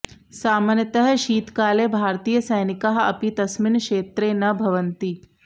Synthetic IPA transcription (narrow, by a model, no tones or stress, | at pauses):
saːmaːnjət̪əɦʃiːt̪kaːlebʱaːɾt̪iːjəsɐjnɪkaɦɐ̰pit̪ɐsmɪnkʃeːt̪ɾeːnɐbʱɐʋənt̪i